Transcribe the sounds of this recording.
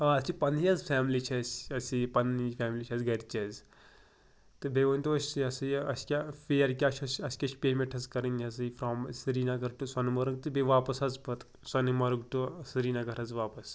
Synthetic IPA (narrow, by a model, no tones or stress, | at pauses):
aɐipɐniɐzfʲɛːmlit͡ʃʰɐsɐsʲipɐnifʰʲɛːmlit͡ʃʰɐzɡɐɾʲt͡ʃɐz | t̪ɨbeʋɐnʲt̪ɐsʲsɨɐsɨjɐskʲafejɐɾk̬ʲat͡ʃʰɐsɐskʲɐt͡ʃpeːmẽɳʈʰɐzkɐɾɨnʲɐsɨfɾoːmsɨɾiːnaɡɐɾʈusɐnmɐɾɨŋɡt̪ɨbeʋaːpɐsɐzpɐt̪ | sɐnimɐɾɨɡʈusɨɾiːnaɡɐɾɐzʋaːpɐs